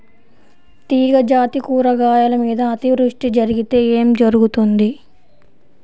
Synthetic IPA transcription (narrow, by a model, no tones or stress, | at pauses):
t̪iːɡɐd͡ʒaːt̪ikuːɾɐɡaːjɐlɐmiːd̪ɐːt̪iʋɾuʂʈid͡ʒɐɾiɡit̪e̞ːeːmd͡ʒɐɾuɡut̪und̪i